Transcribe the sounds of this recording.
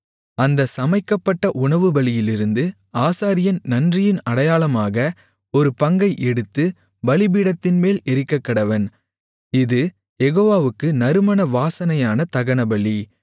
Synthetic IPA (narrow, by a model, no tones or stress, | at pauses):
ɐnd̪ɐsɐmɐɪkːɐpːɐʈːɐʔʊɳɐʋɯbɐlɪjɪlɪɾɯnd̪ɯ | aːsaːɾɪjɐnnɐndrɪjɪnɐɽɐjaːlɐmaːɣɐ | ɔɾɯpɐŋɡɐɪʔɛɽɯt̪ːɯ | bɐlɪbiːɽɐt̪ːɪnmeːlɛɾɪkːɐkːɐɽɐʋɐn | ɪðɯ | jɛɣoːʋaːʋɯkːɯnɐɾɯmɐnɐʋaːsɐnɐjaːnɐt̪ɐɣɐɳɐbɐɭi